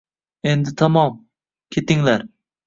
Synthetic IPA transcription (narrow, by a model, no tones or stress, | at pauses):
end̪ɪt̪ʰɑmɒm | kʲʰet̪ɪŋlæɾ